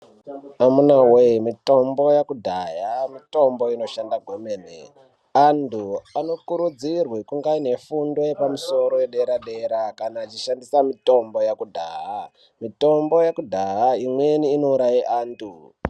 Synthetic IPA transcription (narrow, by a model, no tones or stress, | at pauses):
amunawemito̞mbo̞jakudʱajamito̞mbo̞ino̞ʃandaɡʱomeːnḛ | anduano̞kuɾud͡zirwikuŋɡaine̞fundo̞jepamuso̞ɾo̞jeɗeɾaɗeɾakanaːt͡ʃiʃandisamito̞mbo̞jakudʱa̰ɦa | mito̞mbo̞jakudʱaɦaimwe̞niːno̞uɾajiʔaːntu